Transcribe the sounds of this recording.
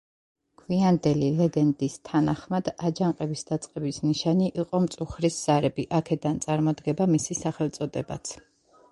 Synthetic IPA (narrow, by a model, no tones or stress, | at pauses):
kʰwiand̪ɛlilɛɡɛnd̪ist̪ʰanaχmad̪ad͡ʒaŋqʼɛbisd̪at̪sʼqʼɛbisniʃaniʔiqʼɔmt̪sʼuχɾisz̥aɾɛbiʔakʰɛd̪ant̪sʼaɾmɔd̪ɡɛbamisisaχɛlˠt̪sʼɔd̪ɛba̰t̪sʰ